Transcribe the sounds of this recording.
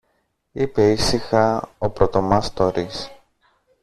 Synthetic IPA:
ipe̞isixɐopɾot̪o̞mɐst̪oɾis

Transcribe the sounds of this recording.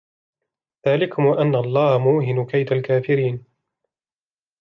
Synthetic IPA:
ðaːlɪkʊmwaʔanːaʔɑlˤːɑːhmuːɦɪnʊkajt̪alkaːfɪɾiːn

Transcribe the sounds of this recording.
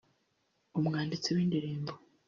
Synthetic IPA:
omŋaːndit͡sewiːndiɾiːmbo

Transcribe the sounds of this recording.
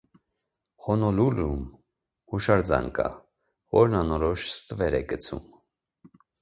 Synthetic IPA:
χɔnɔlulum | huʃɑɾd͡zɑ̰ŋkʰɑ̰ | vɔɾnɑnɔɾɔʃst̪əvɛɾɛɡət͡sʰṵm

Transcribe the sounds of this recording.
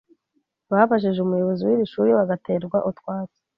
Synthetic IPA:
βafaʃ̬iʒeumujoβoziwiɾiʃuːɾiβaɡate̞ɾɡwaʔutwaːt͡se̥

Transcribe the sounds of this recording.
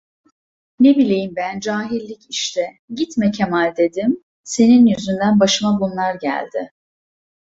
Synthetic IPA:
ne̞bilʲe̞jimbænd͡ʒaːɦilʲːiciʃt̪ʰɛ | ɟit̪mɛcʰemalʲd̪e̞d̪im | se̞ninjyzynd̪ænbaʃɯmabunlˠaɾɟæ̰lʲd̪ɪ

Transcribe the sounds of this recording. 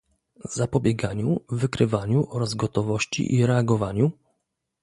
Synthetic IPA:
zapɔbʲjɛɡaɲuvːɘkɾɘvaɲuʔɔɾazɡɔt̪ɔvɔɕt͡ɕḭʔiɾɛaɡɔvaɲu

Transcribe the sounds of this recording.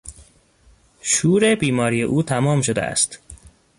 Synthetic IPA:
ʃuːɾebiːmɒːɾiːjḛʔuːt̪ʰæmɒːmʃo̞d̪eæ̰st̪

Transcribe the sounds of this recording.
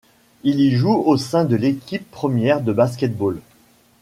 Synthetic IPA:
iliʒuosɛ̃d̪əlekʲipːχəmjɛʁd̪əbaskʲɛt̪̚bol

